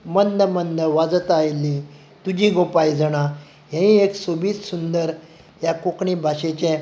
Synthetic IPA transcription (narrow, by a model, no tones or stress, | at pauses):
mənd̪əmənd̪əʋad͡zət̪ajlːĩ | t̪ud͡ʑĩɡopajd͡zʱəɽ̃ã | ɦẽĩeksobʱiːt͡ssund̪əɾ | jakokɳibʱaɕet͡ɕɛ̃